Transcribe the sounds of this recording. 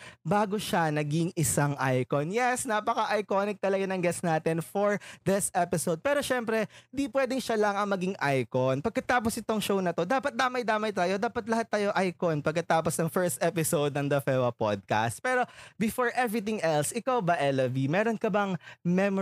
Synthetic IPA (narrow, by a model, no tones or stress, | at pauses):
baːɡo̞ʃanɐɡiŋʔɪsaŋʔajkonjɛsnaːpɐkɐʔɐjkonɪk̚t̪ɐlɐɡanɐŋɡɛsnaːt̪ɛnfoɹðɪsʔɛpɪsowd̪̚pɛːɾo̞ʃɛmpɾɛɪnd̪ipwɛːd̪ɛŋʃalɐŋɐŋmɐɡiŋʔajkonpɐɡ̚kːɐt̪aːp̬osʔɪt̪o̞ŋʃownɐt̪o̞d̪aːpɐt̪̚d̪aːmɐjd̪aːmɐjt̪aːjo̞d̪aːpɐt̪̚lɐhat̪ːaːjoʔajkonpɐɡ̚kɐt̪aːposnɐŋfɛɹst̪ʔɛpɪsowd̪nɐŋd̪ɐfɛwɐpo̰d̪̚ka̰st̪̚pɛːɾo̞bɪfoɹʔɛvɹit̪ɪŋʔɛlsʔɪkawbɐʔɛlɐvimɛɾonkɐbɐŋmɛm